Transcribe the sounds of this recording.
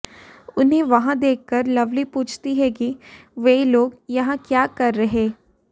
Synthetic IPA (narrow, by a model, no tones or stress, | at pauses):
ʊnɦẽʋɐɦãd̪eːkʰːɐɾlɐʋlipuːt͡ʃʰt̪iɦɛkiʋeiloːɡjɐɦãkjaːkɐɾːɐɦeː